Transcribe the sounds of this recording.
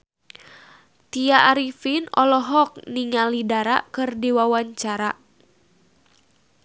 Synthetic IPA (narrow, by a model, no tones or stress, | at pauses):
t̪iaʔːɾifinɔ̰lɔɦɔk̚niŋalidaɾa̰kɨrdiwawaɲt͡ʃaɾa